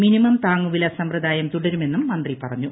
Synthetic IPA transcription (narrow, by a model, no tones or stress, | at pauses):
minimɐmt̪aːŋːuʋilɐsɐmprɐd̪aːjɐmt̪uɽɐɾume̞nːumːɐnd̪ripɐrɐɲːu